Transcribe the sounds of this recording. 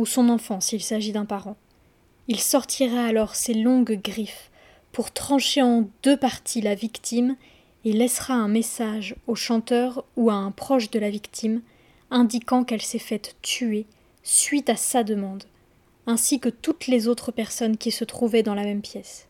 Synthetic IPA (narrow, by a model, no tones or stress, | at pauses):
usɔ̃nɑ̃fɑ̃silsaʒid̪ɛ̃paʁɑ̃ | ilsɔʁt̪ʰiʁaːlɔʁselɔ̃ɡɡʁif | puʁt̪χɑ̃ʃeɑ̃d̪øpaʁt̪ʰilavikt̪ʰim | elɛsχaɛ̃mesaʒoʃɑ̃t̪œʁuaɛ̃pχɔʃd̪əlavikt̪ʰim | ɛ̃d̪ikɑ̃kɛlsɛfɛt̪ːye | sɥit̪asad̪əmɑ̃d̪ | ɛ̃sikət̪ut̪lezot̪χəpɛʁsɔnkʲisət̪χuvɛd̪ɑ̃lamɛmpjɛs